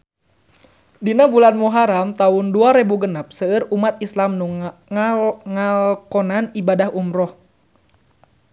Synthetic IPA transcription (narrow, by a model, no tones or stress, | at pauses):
dinabulanmuɦaɾamt̪aʊnduaɾebuɡənap̚səːrumat̪̚islamnuŋalŋalkɔnanibadahumɾɔh